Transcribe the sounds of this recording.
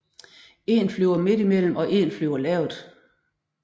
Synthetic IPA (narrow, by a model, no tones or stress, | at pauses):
e̝nflyʊɐme̝d̥imel̰m̩ɒ̽ʔe̝̰nflyʊɐlɛːʊd̥